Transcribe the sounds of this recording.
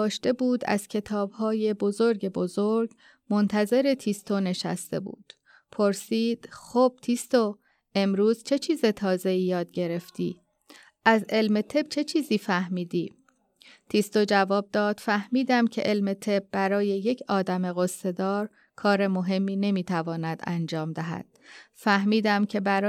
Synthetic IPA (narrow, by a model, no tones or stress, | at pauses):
ʃt̪e̞buːd̪æ̰z̥cʰe̞t̪ʰɒːb̥hɒːje̞bo̞zo̞ɾɟe̞bozoɾɡ | mo̞nt̪ʰæze̞ɾe̞t̪ʰist̪ʰone̞ʃæ̰st̪e̞̰bṵːd̪̥ | pʰoɾsiːd̪̥xoːb̥̚t̪ʰist̪o | e̞mɾuːzt͡ʃʰe̞t͡ʃʰiːze̞t̪ʰɒːze̞iːjɒːd̪̚ɟe̞ɾe̞ft̪ʰiː | ʔæze̞lme̞t̪ʰe̞b̥̚t͡ʃʰe̞t͡ʃʰiːziːfæhɦmiːd̪iː | t̪ʰist̪od͡ʒævɒːb̚d̪ɒːd̪̥fæhmiːd̪æmcʰe̞̰ʔelme̞t̪ʰe̞b̚bæɾɒːje̞je̞cʰɒːd̪æme̞ɣosːe̞d̪ɒːɾ | kʰɒːɾe̞mo̞ɦe̞mːiːne̞miːt̪ʰævɒːnæd̪æ̰nd͡ʒɒːmd̪æɦæ̰d̪̥fæhmiːd̪æmcʰe̞bæɾ